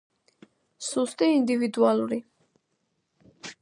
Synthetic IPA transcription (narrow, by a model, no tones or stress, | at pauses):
sust̪ʼiːnd̪ivid̪ualˠuɾi